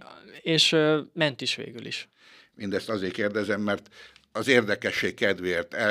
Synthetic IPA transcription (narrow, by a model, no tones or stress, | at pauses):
eːʃmɛnt̪iʃʋḛːɡylḭʃ | mind̪ɛst̪ɒzeːrkeːrd̪ɛzɛmːɛrt̪ɒzeːrd̪ɛkɛʃːeːkkɛd̪ʋert̪ɛ